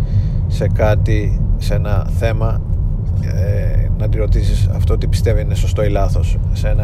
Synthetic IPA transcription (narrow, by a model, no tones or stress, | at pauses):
se̞kɐt̪isenɐθe̞mɐ | nɐt̪iɾo̞t̪isisɐ̰ft̪ot̪ipi̥st̪e̞viineso̞st̪o̞ilɐθo̞ssenɐ